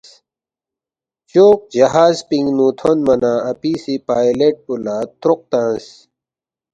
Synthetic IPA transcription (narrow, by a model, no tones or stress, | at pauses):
t͡ɕoːk̚d͡ʑɐɦaːzpĩŋɡnuːt̪ʰonmɐnaːɐpiːsipaːjleʈ̚pulaːt̪ɾʊq̚t̪ãːs